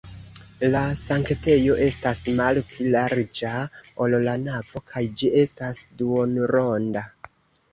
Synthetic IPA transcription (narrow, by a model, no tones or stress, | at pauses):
lasaŋkte̞jo̞ʔe̞stasmalplilaɾd͡ʒaollanav̥o̞kʰajd͡ʒie̞stasduonɾo̞nda